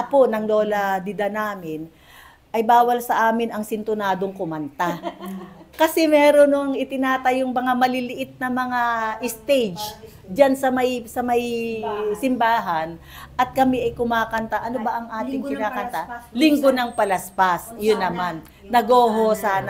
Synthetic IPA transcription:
ʔɐponɐŋlo̞ːlɐd̪ɪd̪anaːmɪn | ʔɐjbaːwɐlsɐʔaːmɪnɐŋsɪnt̪ʊnaːd̪o̞ŋkʊmɐnt̪a | kɐsɛmɛːɾonoŋɪt̪ɪnaːt̪ɐjoŋmɐŋamɐlɪlɪʔɪt̪̚nɐmɐŋaʔɪst̪ejd͡ʒ | d͡ʒansɐmɐjsɐmɐj | sɪmbaːɦɐn | ʔɐt̪̚kɐmɛʔɐjkʊmaːkɐnt̪aʔɐnobɐʔɐŋʔaːt̪ɪŋkɪnaːkkɐnt̪alɪŋɡonɐŋpɐlɐspasjʊnːɐmanː | ɐɡoːɦosaːn

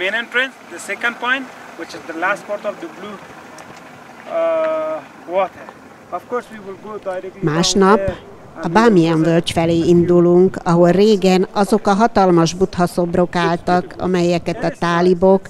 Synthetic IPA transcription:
mẽnẽnʈɾɛ̃nsd̪əsekə̃nɖpɔ̃ɪ̃nt | wɪt͡ʃɪzd̪əlasʈpɔɾtɔvd̪əblu | wɔt̪ʰəɾ | ɔfkɔɾswiwɪlɡodaɾɛmaːʃnɒp | ɒbaːmiɛɱvølt͡ʃfɛleːind̪uluŋkɒɦo̞lreːɡɛnɒzo̞kɒɦɒt̪ɒlmɒʒbut̪hɒso̞bro̞kaːlt̪ɒkɒ̰mɛjɛkɛt̪ɒt̪aːlibok

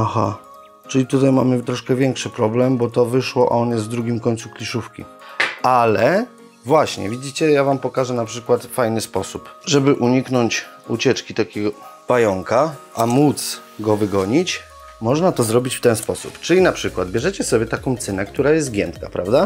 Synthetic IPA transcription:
axa̰ | t͡ʂɘlʲit̪ut̪ajma̰mɘt̪ɾɔʂkɛvʲjɛŋkʂɘpɾɔblɛmbɔt̪ɔvɘʂwɔʔa̰ɔnjɛsvd̪ɾuɡʲimkɔɲʲt̪suklʲiʂufkʲḭ | ʔalɛ | vwaɕɲɛ̰vʲid͡ʑit͡ɕɛjavampɔkaʐɛnapʂɘkwat̪fajnɘspɔsupʐɛbɘʔuɲiknɔɲt͡ɕut͡ɕɛt͡ʂkʲit̪akʲɛɡɔb̥ajɔŋkaʔamut̪s | ɡɔvɘɡɔɲit͡ɕ | mɔʐnat̪ɔzɾɔbʲit͡ɕft̪ɛnspɔsṵpt͡ʂɘlʲinapʂɘkwad̪bʲjɛʐɛt͡ɕɛsɔbʲɛt̪akɔ̃w̃t̪sɘnɛk̚t̪uɾajɛst̪ɡʲjɛnt̪ka̰pɾavd̪a

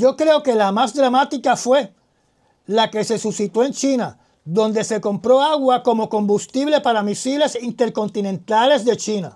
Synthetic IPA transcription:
d͡ʒo̞kɾe̞o̞ke̞lamasd̪ɾamat̪ikafwe̞ | lake̞se̞susit̪oent͡ʃina | ðo̞nd̪e̞se̞ko̞mpɾo̞aɣwako̞mo̞ko̞mbust̪iβle̞paɾamisile̞sint̪e̞ɾko̞nt̪inẽ̞nt̪ale̞zðe̞t͡ʃina̰

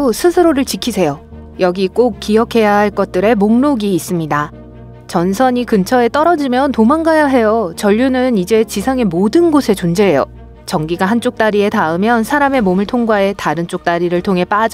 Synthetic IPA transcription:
osʰɯsʰɯɾoɾɯɭt͡ɕikʰisʰe̞jo | jʌɡik͈ok̚k͈iʌkʰe̞jahaɭk͈ʌt̚t͈ɯɾe̞moŋnoɡiːs͈ɯmɲida | t͡ɕʌnsʰʌɲikɯnt͡ɕʰʌe̞t͈ʌɾʌd͡ʑimjʌntomaŋɡajaɦe̞jot͡ɕʌʎːunɯnid͡ʑe̞t͡ɕisʰaŋe̞modɯnɡosʰe̞t͡ɕond͡ʑe̞ɦːjo̰ | t͡ɕʌŋɡiɡaɦant͡ɕ͈ok̚t͈aɾie̞taɯmjʌnsʰaɾame̞momɯɭtʰoŋɡwaɦe̞taɾɯnt͡ɕ͈ok̚t͈aɾiɾɯɭtʰoŋɦe̞p͈ad͡ʑ

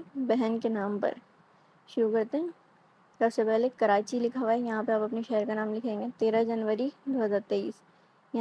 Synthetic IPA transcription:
bɛɦənkenaːmpɐ̰ɾ | ʃʊɾukɐɾt̪ẽɦɛ̃ | sɐbsepɛɦlekɐɾaːt͡ʃilɪkʰaʋaːijɐɦãpɐɾaːpɐpneʃɛɦəɾkanaːmlɪkʰẽːŋɡet̪eːɾad͡ʒɐnʋəɾid̪oːɦɐzaːɾt̪eːḭːs | jɐ

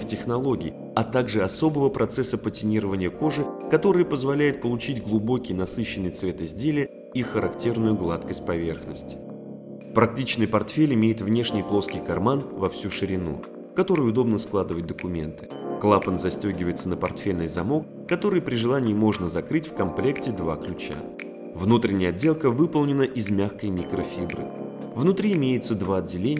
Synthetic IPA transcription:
xtʲɪxnɐlˠo̞ɡʲɪ̰j | ɐt̪aɡʐɨɐso̞bəvəpɾɐt̪sɛsːəpətʲɪnʲiɾəvənʲɪjəko̞ʐɨkɐt̪o̞ɾɨjəpəzvɐlʲæjɪt̪̚pəlˠʊt͡ɕidʲɡlˠʊbo̞kʲɪjnɐsɨɕːɪnːɨjt̪svʲe̞t̪ɨzʲdʲelʲɪjə | ixəɾɐktʲe̞rnʊjʊɡlˠat̪kəsʲt̚ʲpɐvʲe̞rxnəsʲtʲɪ̥ | pɾɐk̚tʲit͡ɕnɨjpɐrt̪fʲelʲɪmʲejɪt̪vnʲe̞ʂnʲɪjplˠo̞skʲɪjkɐrmanvɐfsʲuʂɨɾʲɪnṵ | kɐt̪o̞ɾʊjʊʊd̪o̞bnəsklˠad̪ɨvət̚ʲd̪əkʊmʲe̞̰nt̪ɨ̥ | klˠapənzɐsʲtʲoɡʲɪvəjɪt̪sənəpɐrt̪fʲelʲnɨjzɐmo̞k̚ | kːɐt̪o̞ɾɨjpɾʲɪʐɨlˠanʲɪɪmo̞ʐnəzɐkɾɨtʲfkɐmplʲe̞ktʲɪd̪vaklʲʉt͡ɕa̰ | vnut̪ɾʲɪnʲɪjəɐdʲːelˠkəvɨpəlˠnʲɪnəʔɪzmʲaxkəjmʲikɾəfʲibɾɨ̰ | vnʊt̪ɾʲiɪmʲejɪt̪səd̪vaɐd̚ʲːɪlʲenʲɪ

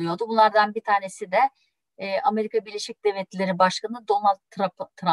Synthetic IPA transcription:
ɯjo̞d̪ubunlˠaɾd̪anbit̪ʰaːne̞sid̪ɛː | ʔame̞ɾikʰabiɾlʲe̞ʃic̚d̪̥evʲɛt̪lʲe̞ɾibaʃkanɯd̪o̞nalʲt̪ʰːɾap̪ʰːɾa

